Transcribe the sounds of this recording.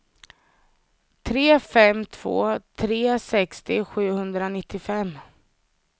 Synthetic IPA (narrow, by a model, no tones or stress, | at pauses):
t̪ʰɾeːfɛmt̪ʰv̥o̰ːt̪ʰɾeːsɛkst̪ɪɧʉ̟ːhɵnd̪ɾanɪt̪ʰːɪfɛmː